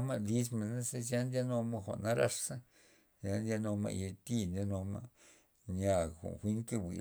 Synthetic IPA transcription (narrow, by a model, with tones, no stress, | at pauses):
ma˧li˦s̬ma˧˨na˦se˦˧sja˦nd̪ʲja˦no˧ma˦˧xʷa̰˨na˦ɾa˧ʂa˦ | sa˧nd̪ja˧no˧ma̰˧je˧t̪i˦nd̪ʲa˧no˧ma̰˧ | ɲa˧˨xo̰˨xʷi˦ŋke˧bḭ˨